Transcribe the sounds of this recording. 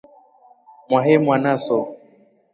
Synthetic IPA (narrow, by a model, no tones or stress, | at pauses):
mwaɦemwanasɔ